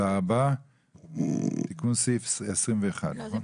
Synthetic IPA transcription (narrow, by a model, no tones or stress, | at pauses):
aba | t̪ikunsefsesʁimveeχa̰d̪naχon